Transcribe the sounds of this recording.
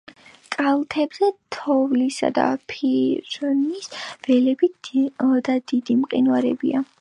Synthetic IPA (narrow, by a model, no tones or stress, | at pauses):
kʼalˠt̪ʰɛbzɛt̪ʰɔvlisa̰d̪a̰pʰiɾnisv̥ɛlɛbi | d̪ad̪id̪imqʼinwaɾɛ̰bia